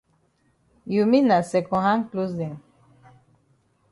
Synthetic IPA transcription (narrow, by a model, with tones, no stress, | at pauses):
ju˨mi˦na˨sɛ˨kɔ̃˨ɦã˦ŋklo˦zɛ̃˨ŋ